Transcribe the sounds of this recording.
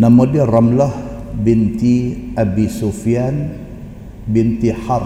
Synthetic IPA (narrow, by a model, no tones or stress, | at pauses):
namodiaramlah | bint̪iabisofian | bint̪ihar